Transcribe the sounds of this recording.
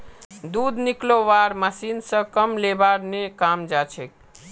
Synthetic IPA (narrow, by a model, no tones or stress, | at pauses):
d̪ud̪nikloʋaɾməsinsə̃kəmlebaɾnekamd͡ʒat͡ʃʰɛk